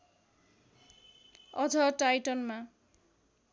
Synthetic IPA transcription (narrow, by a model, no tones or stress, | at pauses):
ʌd͡zʌʈajʈʌnma